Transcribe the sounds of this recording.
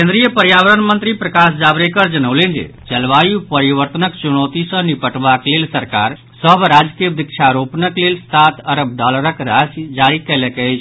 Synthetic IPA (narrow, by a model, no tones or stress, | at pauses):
kẽnd̪ɾijəpəɾjaʋəɾənmə̃nt̪ɾipɾəkaːsd͡ʒaːbɾekəɾd͡ʒənəwlẽnd͡ʒḛt͡ʃəlʋaːjupəɾiʋəɾt̪ənəkt͡ʃunɔt̪isə̃nipəʈʋaklelsəɾkaːɾ | səbɾaːd͡ʒkijəd̪ik̚t͡ʃʰaɾoːpnəklelst̪ʰaːt̪ʰəɾəb̚d̪alɾəkɾaːsd͡ʒaːɾikɛɦlekɛɛt͡ʃʰ